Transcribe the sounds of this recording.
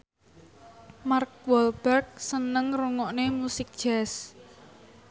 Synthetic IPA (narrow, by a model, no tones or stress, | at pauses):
mark̚wɔlb̥ɛrk̚sənəŋruŋɔʔnemusɪk̚ʒ̥ɛs